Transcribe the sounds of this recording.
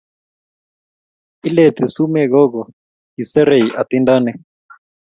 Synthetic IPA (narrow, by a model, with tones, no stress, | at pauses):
i˦lɛ˨t̪i˨su˦mɛ˦ɣɔ˦ɣɔ˨ | i˨sɛ˦ɾe˨i˨ʔa˨t̪i˦nda˦nɛ˦